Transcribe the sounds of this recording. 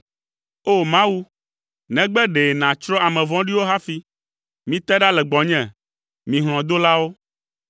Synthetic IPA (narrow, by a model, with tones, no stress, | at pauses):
o˦˨mã˦wu˦ | nɛ̃˨ɡ͡bɛ˦ɖe˨nã˨t͡ʃɾɔ˦a˨mɛ̃˨vɔ̃˦ɖi˦wo˦ɦa˦fi˦ | mĩ˦t̪ɛ˦ɖa˦lɛ˨ɡ͡bɔ̃˨ɲɛ̃˨ | mĩ˨ɦl̃ɔ̃˨d̪o˦la˦wo˦